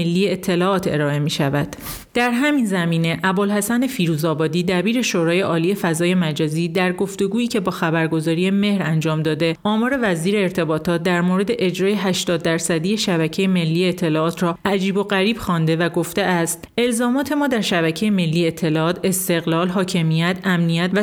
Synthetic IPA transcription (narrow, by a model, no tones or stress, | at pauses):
elːiːjeet̪ʰːe̞lɒːʔɒːt̪ʰe̞̰ɾɒːe̞miːʃævæd̪̥ | d̪̥æɾɦæmiːnzæmiːne̞ʔæbolhæsæne̞fiːɾuːzɒːbɒːd̪iːd̪æbiːɾe̞ʃoːɾɒːje̞ʔɒːlije̞fæzɒːje̞mæd͡ʒɒːziːd̪æɾɡo̞ft̪e̞ɡuːiːcʰe̞bɒːxæbæɾɡo̞zɒːɾije̞me̞hɾænd͡ʒɒːmd̪ɒːd̪e̞ʔɒːmɒːɾe̞væziːɾeːɾt̪ʰe̞bɒːt̪ʰɒːt̪̚d̪æɾmoɾe̞d̪e̞ʔed͡ʒɾɒːje̞ɦæʃt̪ɒːd̪̚ːæɾsæd̪ijeʃæβæcʰe̞jeme̞lːiːeeːt̪ʰːe̞lɒːɒːt̪ʰrɒːʔæd͡ʒiːbo̞ɣæɾiːb̥xɒːnd̪e̞væɡo̞ft̪eʔæst̪e̞lzɒːmɒːt̪ʰe̞mɒːd̪æɾʃæβæcʰe̞jeme̞lːiːet̪ʰːe̞lɒɒːt̪ʰe̞st̪e̞ɣlɒːlɦɒːcʰe̞mijæt̪ʰæmnijæt̪væ